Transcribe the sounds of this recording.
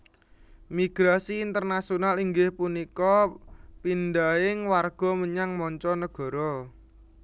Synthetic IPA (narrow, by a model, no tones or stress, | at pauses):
miɡ̥ɾasiːnt̪ərnasionaliŋɡɪhpunikɔpind̪aɪŋwarɡ̥ɔ̤məɲaŋmɔɲt͡ʃɔnəɡ̥ɔ̤ɾɔ